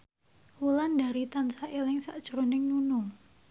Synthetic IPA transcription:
wulanda̤ɾit̪ansaʔelɪŋsa̰ʔd̥ʒ̥ɾonɪŋnunʊŋ

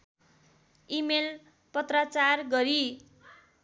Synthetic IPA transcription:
imel | pʌt̪rat͡sarɡʌɾi

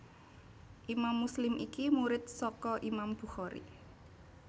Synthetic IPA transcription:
ʔimamːuslɪmʔikimuɾɪt̪̚sɔkɔʔimamb̥ṳxɔɾḭ

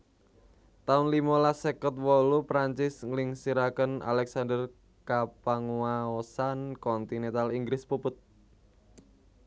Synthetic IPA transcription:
t̪aʊnlimalasɛkət̪̚wɔlupɾaɲt͡ʃɪsŋliŋsiɾakəna̰lɛksandər | kapaŋuaɔsankɔnt̪inɛnt̪aliŋɡɾɪspupʊt̪̚

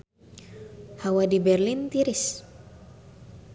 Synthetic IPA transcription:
hawadibɛrlint̪iɾis

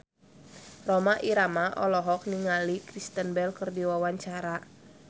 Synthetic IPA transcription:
rɔmaʔiɾamaʔɔlɔɦɔk̚niŋalikɾist̪ənbɛlkərdiwawaɲt͡ʃaɾa

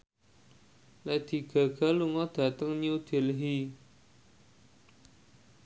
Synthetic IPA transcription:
lɛd̪̥i̤ɡ̥a̤ɡ̥a̤luŋɔd̪̥a̤t̪əŋɲud̪̥e̤lɦi

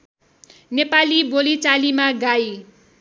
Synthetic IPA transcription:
nepalibolit͡salimaɡaj

